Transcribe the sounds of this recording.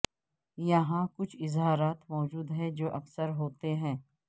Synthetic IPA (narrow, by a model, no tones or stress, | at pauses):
jɐɦãkʊt͡ʃʰɪzɦaːɾaːt̪mɔːd͡ʒuːd̪ɦɛ̃d͡ʒoːʔɐfsəɾɦoːt̪eɦɛ̃ː